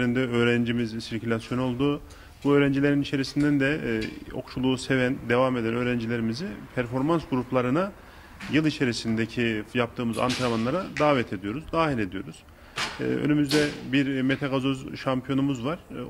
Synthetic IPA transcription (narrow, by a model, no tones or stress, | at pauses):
ɾind̪ɛø̞ːɾænd͡ʒimizsiɾcʰylʲasjono̞lˠd̪u | buø̞ːɾænd͡ʒilʲe̞ɾinit͡ʃʰe̞ɾisind̪ænd̪ɛo̞̰kʃulˠuːse̞vænd̪e̞vame̞d̪ænø̞ːɾænd͡ʒilʲe̞ɾimizipʰæɾfo̞ɾmansɡuɾuplˠaɾɯna | jɯlˠit͡ʃʰe̞ɾisind̪ecʰijap̚t̪ʰɯːmɯza̰nt̪ʰaɾamanlˠaɾad̪aːvɛt̪ʰe̞d̪ijo̞ɾuzd̪aːɦilʲe̞d̪ijo̞ɾuz̥̰ | ø̰nymyzd̪ɛbiɾme̞t̪ʰaɡazozʃampʰjo̞numuzvaɾ̥